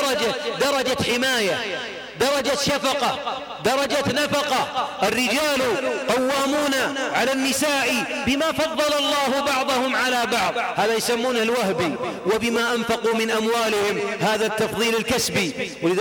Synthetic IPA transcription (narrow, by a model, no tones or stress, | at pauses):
ɾˤɑd͡ʒad̪ɑɾˤɑd͡ʒaħɪmaːja | d̪ɑɾˤɑd͡ʒaʃafɑqɑ | d̪ɑɾˤɑd͡ʒanafɑqɑʔɪrːɪd͡ʒaːluqɑwːaːmuːnaʕalanːɪsaːʔibɪmafɑðˤːɑlɑlˤːɑːhbɑʕðˤʊhʊmʕalabɑʕðˤhaːðajʊsamːuːnhalwahbiwɪbɪmaːʔanfɑqumɪnʔamwaːlɪhɪmhaːðat̪ːɑfðˤiːlalkasbiwɪlɪð